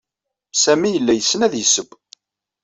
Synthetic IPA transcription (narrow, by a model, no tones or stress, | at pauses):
sæmijəlːæjəsːənæðjəsəb